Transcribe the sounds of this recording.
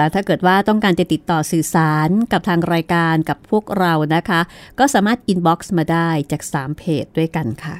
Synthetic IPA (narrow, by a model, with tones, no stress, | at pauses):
t̪ʰaː˥˩kɤː˨˩t̪̚waː˥˩t̪ɔ˥˩ŋkaː˧nt͡ɕa˨˩t̪i˨˩t̪ːɔː˨˩sɯː˨˩saː˩˦nka˨˩p̚t̪ʰaː˧ŋɾaː˧jkaː˧nka˨˩pʰːu˥˩ək̚ɾa˧wna˦˥kʰa˦˥kɔː˥˩saː˩˦maː˥˩t̪̚ʔi˧nbɔː˦˥k̚smaː˧daː˥˩jt͡ɕaː˨˩k̚saː˩˦mpʰeː˨˩t̪̚du˥˩əjka˧nkʰa˥˩